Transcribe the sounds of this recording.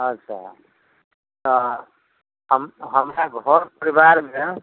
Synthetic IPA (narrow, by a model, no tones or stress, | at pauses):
ʌsa̰ | t̪ʌ | ɦʌmɦʌmɾaɡʱʌɾpʌɾibaɾme